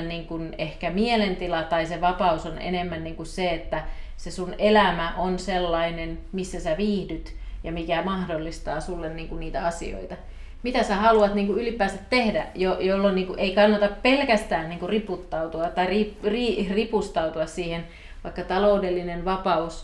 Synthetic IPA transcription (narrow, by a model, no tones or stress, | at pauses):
nniːŋkunehkæmielent̪ilɑt̪ɑiseʋɑpɑusonḛnemːænniːŋkusseet̪ːæ | sesunelæmæʔonselːɑinenmisːæsæʋiːhdyt̪jɑmikæmɑhdolːist̪ɑːsulːenniːŋkunniːt̪æ̰ɑsḭo̰it̪ɑ | mit̪æsæhɑluɑt̪niːŋkuylipˑæːsæt̪t̪ːehdæ̰jojolːonniːŋkuʔeikɑnːɑt̪ɑppelkæst̪æːnniːŋkuriput̪ːɑut̪uɑt̪ɑiripriːripust̪ɑut̪uɑssiːhen | ʋɑikːɑt̪ɑloudelːinenʋɑpɑus